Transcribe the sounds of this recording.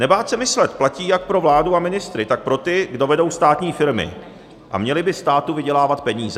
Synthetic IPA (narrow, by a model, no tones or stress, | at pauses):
nɛbaːsɛmɪslɛt̪placiːjak̚pɾo̞vlaːduamɪnɪst̪ɾɪt̪ak̚pɾo̞t̪ɪɡdo̞vɛdo̞wst̪aːt̪ɲiːfɪɾmɪ̰ | ʔa̰mɲɛlɪbɪst̪aːt̪uvɪɟɛlaːvat̪pɛɲiːzɛ